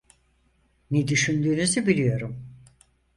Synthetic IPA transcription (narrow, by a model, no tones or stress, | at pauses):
nɛd̪yʃynd̪yːnyzibilʲijo̞ɾum